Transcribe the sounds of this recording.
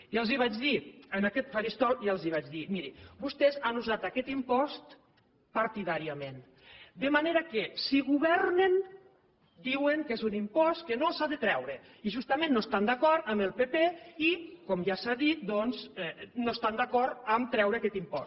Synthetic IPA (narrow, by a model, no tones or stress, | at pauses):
iəlˠziβ̞ad͡ʒðiənakɛt̪faɾist̪ɔjalˠziβ̞ad͡ʒðimiɾibust̪ɛzanuzat̪akɛt̪impɔst̪ | paɾt̪iðaɾiamen | d̪əmaneɾakesiɣuβɛɾnen | d̪iweŋkezunimpɔst̪̚kənolˠsaðət̪ɾɛwɾe | iʒust̪amẽnːoest̪and̪akɔɾt̪əməlˠpepeikɔmʒasaðit̪̚d̪ɔnzɛnoest̪and̪akɔɾt̪əmt̪ɾɛwɾəakɛt̪impɔ̰s